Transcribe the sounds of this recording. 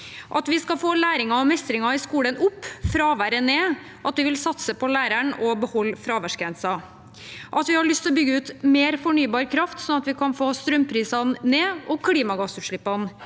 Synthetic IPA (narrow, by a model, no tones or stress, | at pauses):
ʔɑt̪ʋɪskɑfoːlæːɾɪŋɑɔmɛst̪ɾɪŋɑɪskuːlənʊpːfɾɑʋæɾəneː | ʔɑt̪ʋɪʋɪlsɑt̪səpʰɔlæːɾæɳɔbəhɔlːfɾɑːʋæʂkɾɛnsɑ | ʔɑt̪ʋɪhɑɭʏst̪ʰɪlɔbʏɡːəʉːt̪meːɾfɔɳyːbɑːɾkʰɾɑft̪sɔnɑt̪ʋɪkʰɑnfoːst̪ɾœmpʰɾiːsɑnːeːɔkʰliːmɑɡɑsʉʂɭɪpːɑn